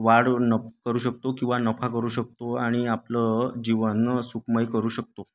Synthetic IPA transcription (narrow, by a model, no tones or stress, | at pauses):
ʋaɽnəkəɾuːɕək̚t̪okĩw̃ʋanəfakəɾuːɕək̚t̪oaɽ̃iapləd͡ʑiʋənsukʰməjkəɾuːɕək̚t̪o